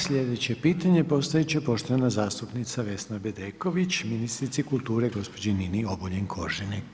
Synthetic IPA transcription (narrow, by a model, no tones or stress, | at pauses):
sʎʲe̞d̪et͡ɕe̞piːt̪aɲe̞po̞st̪aet͡ɕepo̞ʃt̪oanazaːst̪upnit̪saʋe̞snabed̪eːko̞ʋit͡ɕminist̪ɾit̪sikulˠt̪uːɾeɡo̞spo̞d͡ʒeninio̞boʎenkʰo̞̰ʒinik